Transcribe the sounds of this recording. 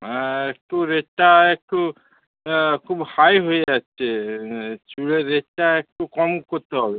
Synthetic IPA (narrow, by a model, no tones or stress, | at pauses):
ek̚ʈuɾeʈːaek̚ʈu | kʰubhajɦojat͡ʃʰe | t͡ʃuɭeɾeʈaek̚ʈukɔmkot̪ʰeɦɔbe